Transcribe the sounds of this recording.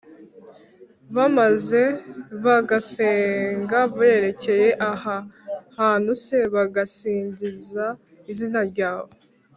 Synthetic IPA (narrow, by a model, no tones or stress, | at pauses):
βamaze̞βaɡaseːŋɡaβajeɾe̞ce̞je̞ʔahahaːnuse̞βaɡasiːɲɟiza | izinaɾɟaːβo